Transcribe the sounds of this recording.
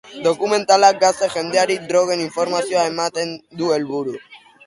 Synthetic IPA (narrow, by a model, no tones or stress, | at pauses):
d̪o̞kume̞nt̪alak̚ɡaseʝe̞nd̪e̞aɾid̪ɾo̞ɣe̞niɱfo̞ɾmasioaemat̪e̞nd̪ue̞lβuɾu